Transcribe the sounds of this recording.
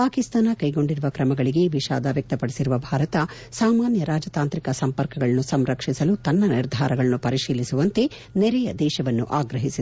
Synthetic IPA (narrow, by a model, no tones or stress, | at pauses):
paːkist̪aːnɐkɐjɡo̞ɳɖiɾuʋɐkɾɐmɐɡɐɭiɡe̞ʋiʃa̰ːd̪ɐʋjɐk̚t̪ɐpɐɽesiɾuʋɐbʱaːɾɐt̪ɐ | saːmaːnjɐɾaːd͡ʒɐt̪aːnt̪ɾikɐsɐmpɐɾkɐɡɐɭɐnːusɐmɾɐkʂisɐlut̪ɐnːɐniɾd̪ʱaːɾɐɡɐɭɐnːupɐɾiʃiːlisuʋɐnt̪e̞ | nɛɾɛjɐd̪ɛːʃɐʋɐnːṵʔaːɡɾɐɦisid̪e